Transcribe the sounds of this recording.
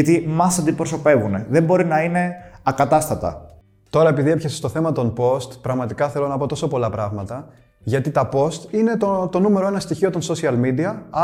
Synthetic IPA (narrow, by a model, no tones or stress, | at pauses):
ɐt̪imɐsɐnd̪ipɾo̞so̞pe̞vune̞ðembo̞ɾinɐine̞ɐkɐt̪ɐst̪ɐt̪ɐ̰ | t̪o̞ɾɐepiðie̞pçesest̪o̞θe̞mɐt̪o̞npo̞st̪pɾɐɣmɐt̪ikɐθe̞lo̞nɐpo̞t̪o̞so̞po̞lɐpɾɐɣmɐt̪ɐ | ʝɐt̪it̪ɐpo̞st̪ine̞t̪ot̪o̞nume̞ɾo̞e̞nɐst̪içio̞t̪o̞nso̞siɐlmid̪iɐ